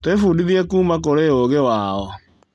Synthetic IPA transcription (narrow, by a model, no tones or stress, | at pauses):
twefuːdiðiɛkuːmakoɾeoɣewaːɔ